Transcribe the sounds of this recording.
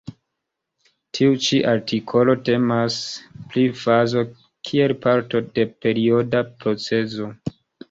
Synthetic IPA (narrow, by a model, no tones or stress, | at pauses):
tʰiut͡ʃiʔaɾtikʰo̞lo̞te̞masplifazo̞ | kʰie̞lpʰaɾto̞de̞pe̞ɾio̞dapɾo̞t͡se̞zo̞